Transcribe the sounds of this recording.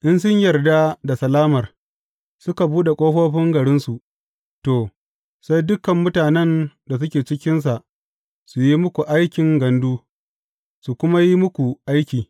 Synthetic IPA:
ʔɪ˦ns̬ʊ˦ɲjɐ˨rda˦da˨sɐ˨laː˦mɐ˨r | sʊ˦ka˨buː˦ɗe˨kʷʼoː˦ɸoː˦ɸɪ˦ŋɡɐ˨ɽɪ˦nsu˨ʔ | toː˨ | sa˦jdʊ˦kɐ˨mːʊ˦taː˨nɛ˦nda˨s̬ʊ˦kʲeː˨t͡ʃɪ˦kʲɪ˦ns̬a˨ʔ | su˨ji˦mʊ˦kʷu˨ʔa˦jkʲɪ˨ŋɡɐ˨nduː˦ | su˨kʷʊ˦ma˦ji˦mʊ˦kʷu˨ʔa˦jkʲiː˨

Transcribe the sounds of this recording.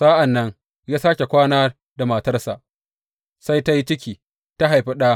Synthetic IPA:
sa˦ʔa˨nːɐ˦ŋ | jaː˦saː˦kʲe˨kʷaː˦naː˦ | da˨ma˨tɐ˦rsa˨ʔ | sa˦jta˦ji˦t͡ʃɪ˦kʲiː˨ | ta˦ɦa˨jɸi˦ɗaː˦

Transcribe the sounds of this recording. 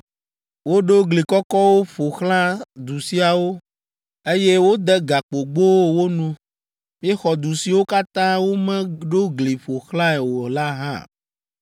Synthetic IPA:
wo˦ɖo˦ɡli˨kɔ˦kɔ˦wo˦ɸo˨xlã˦d̪u˨si˦a˨wo˦ | e˦je˦wo˦d̪ɛ˦ɡa˨k͡po˨ɡ͡bo˦wo˦nũ˦ | mĩ˦ɛ˦xɔ˨d̪u˨si˨wo˦ka˦t̪ã˦wo˦mɛ̃˦ɖo˦ɡli˨ɸo˨xlã˦ɛ˨wo˨la˦ɦã̰˦˨

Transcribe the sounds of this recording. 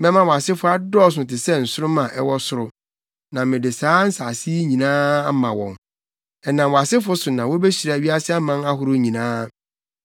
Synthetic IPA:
mɛ̃˦mã˦wɔ˨a˨sɪ˦fʊ˦a˦dɔ˦˨s̬ʊ̃˨tɪ˨sɛ˦n̩˨sʊ˦ɾʊ˦mã˨ʔɛ̰˦wɔ˦sʊ˦ɾʊ˨ | nã˨mɪ̃˨dɪ˨saː˨˦n̩˦sa˨si˦ɲĩ˨nãː˦a˦mã˨wɔ̰̃˨ŋ | ɛ˨nã˨mwɔ˨a˨sɪ˦fʊ˦sʊ˨nã˨wɔ˦be˦ɕi˨ɾa˨ɥi˦a˦sɪ˦a˦mã˦na˦ɦʊ˨ɾʊ˦ɲĩ˨nãː˦

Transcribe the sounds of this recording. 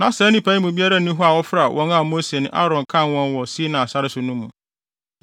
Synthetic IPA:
nã˨˦sɾɛ˦nĩ˦pʰã˨˦ĩ˦mũ˨bi˦a˦ɾa˦nĩ˦ɦɔ˦a˨wɔ˦fɾa˨wʔɔ̰̃˦nã˦˨mo˦se˨nʊ̰̃˦ʔa̰˦ɾɔ̃˨n˨kʰã˦˨wɔ̃˦nwɔ˨si˦nã˨sa˦ɾɪ˦sʊ˨nʊ̃˦mːũ˨

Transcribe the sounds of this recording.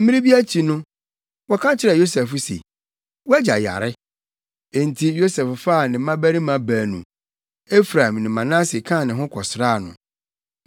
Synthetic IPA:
m̩˦mĩ˦ɾĩ˦bi˦æ˦t͡ɕʰi˨nʊ̃˦ | wɔ˦kʰã˦t͡ɕʰɪ˦ɾɛ˨jo˦sɛ˨fʊ˦sḛ˨ | wæ˦d͡ʑa˨ja̰˨ɾɪ˦ | e˨n̩˨tʰi˨jo˦sɛ˨ffa˦˨nɪ̃˨˦mã˦bæ˦ɾĩ˦mã˨bæː˨nṵ̃˨ | e˦fɾã˨mnɪ̃˨mã˨nã˦si˨kʰã˦˨nɪ̃˨ɦʊ̃˦kʰɔ˨sɾaː˦˨nʊ̰̃˨

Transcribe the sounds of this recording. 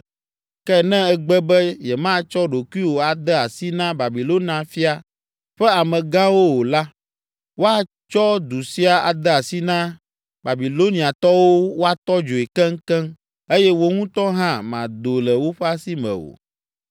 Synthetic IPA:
kɛ˦nɛ̃˦ɛ˦ɡ͡bɛ˦bɛ˦jɛ˨mã˦t͡ʃɔ˦ɖo˨kʷi˦wo˨a˨d̪ɛ˦a˨si˦nã˦ba˨bi˨lo˦nã˨fi˦a˨ | ɸɛ˦a˨mɛ̃˨ɡã˦wo˦wo˨la˦ | wo˦a˨ | t͡ʃɔ˦d̪u˨si˦a˨a̰˨d̪ɛ˦a˨si˦nã˦ | ba˨bi˨lo˦nĩ˨a˨t̪ɔ˦wo˦wo˦a˨t̪ɔ˦d͡ʒo˨e˨kɛ˦ŋ̩˦kɛ̃˦m | e˦jɛ˦wo˦ŋũ˦t̪ɔ˦ɦã˦mã˨d̪o˨lɛ˨wo˦ɸɛ˦a˦si˦mɛ̰̃˨o̰˨

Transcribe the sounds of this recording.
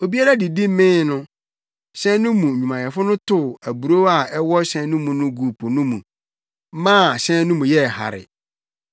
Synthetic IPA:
o˨bi˦a˦ɾa˦di˨di˦mɪ̃˦nʊ̃˦ | ɕɛ̃˦nʊ̃˦mũ˨u˨mã˨jɛ˨fʊ˦nʊ̃˦tʊ˨æ˨bu˨ɾo˦a˨ɛ˦wɔ˦ɕɛ̃˦nũ˦mũ˨nʊ̃˦ɡu˨pʰo˨nʊ̃˦mũ˨˦ | mã˦˨ɕɛ̃˦nʊ̃˦mũ˨jɛ˦˨ha̰˨ɾɪ̰˨

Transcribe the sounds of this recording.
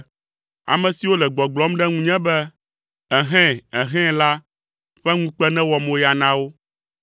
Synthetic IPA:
a̰˨mɛ̃˨si˨wo˦lɛ˨ɡ͡bɔ˨ɡ͡blɔ˦mɖɛ˦ŋũ˦ɲɛ̃˦bɛ˦ | ɛ˨ɦɛ̃˦ɛ˨ɦɛ̃˦la˦ | ɸɛ˦ŋũ˦k͡pɛ˦nɛ̃˦wɔ˨mõ˦ja˨nã˦wo˦

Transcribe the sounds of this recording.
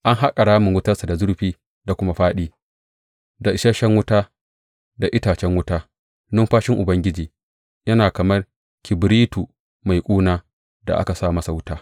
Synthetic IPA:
ʔa˦ŋɦa˦kʼɐ˨ɽaː˦mɪ˨ŋwʊ˦tɐ˦rsa˨da˨zʊ˦ɾɸiː˦ | da˨kʷʊ˦ma˦ɸaː˦ɗiː˦ | da˨ʔɪ˨ʃɐ˦ʃɛ˦ŋwʊ˦taː˦ | da˨ʔɪ˦taː˨t͡ʃɛ˦ŋwʊ˦taː˦ | nɔ˦mɸaː˦ʃɪ˦ŋʔʊ˨bɐ˦ŋɡʲɪ˦d͡ʒiː˨ | jɐ˦naː˨kɐ˨mɐ˦r | kʲɪ˨bɾiː˦tu˨ | ma˨jkʷʼuː˦naː˦ | da̰˨ʔa̰˦ka˨saː˦˨mɐ˦sa˨wʊ˦taː˦

